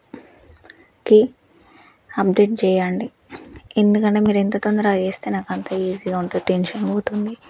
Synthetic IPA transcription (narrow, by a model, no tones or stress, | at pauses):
ki | ɐbɖe̞ːʈ̚t͡ʃɛːjaɳɖi | e̞nd̪ukɐɳʈeːmiːɾe̞nt̪oɐːt̪ond̪ɐɾat͡ʃeːst̪eːnaːkɐnt̪aːiːziːɡaːuɳʈuʈenʃɐnboːt̪und̪i